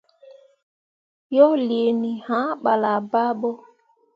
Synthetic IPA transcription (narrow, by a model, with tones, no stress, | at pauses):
jɔ˦li˨e˨ni˨hã˨˦ɓa˨la˨ba˦ɓɔ˦